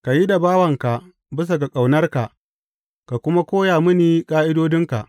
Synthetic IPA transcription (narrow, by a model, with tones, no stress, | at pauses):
ka˨ji˦da˨baː˦wɐ˨ŋka˨ʔ | bɪ˦s̬a˨ɡa˨kʼa˨wnɐ˦rka˨ʔ | ka˨kʷʊ˦ma˦kʷoː˦jaː˨mɪ˦niː˨kʼaː˦ʔɪ˦doː˦dɪ˦ŋka˨ʔ